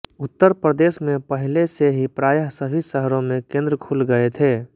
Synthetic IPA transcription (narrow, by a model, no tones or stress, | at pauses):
ʊt̪ːəɾpɾəd̪eːʃmẽpəɦɪleseɦipɾaːjəɦsəbʱisəɦɾõmẽkẽːnd̪ɾəkʰulɡəet̪ʰeː